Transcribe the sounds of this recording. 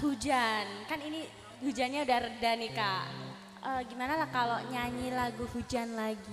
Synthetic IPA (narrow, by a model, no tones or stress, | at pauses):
hud͡ʒankanini | hud͡ʒanɲaudahrədanikaʔ | əːɡimanalahkaloɲaɲilaɡuhud͡ʒanlaɡi